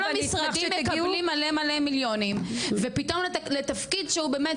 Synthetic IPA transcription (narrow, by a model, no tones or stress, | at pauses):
lamisʁadimːekalimːalemalemiljo̞nimvepit̪omlet̪afkidʃeubeːmet